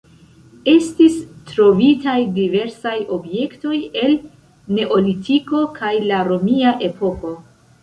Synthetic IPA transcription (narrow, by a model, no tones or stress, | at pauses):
e̞stistɾo̞vitajdive̞ɾsajo̞bje̞kto̞je̞l | ne̞ʔo̞litiko̞kʰajlaɾo̞miaʔe̞po̞ko̞